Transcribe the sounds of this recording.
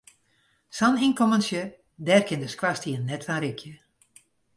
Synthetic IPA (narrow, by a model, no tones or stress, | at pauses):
saninkomənsjə | dɛːrkʰɪndəskwastiənːɛtfanɾikʰjə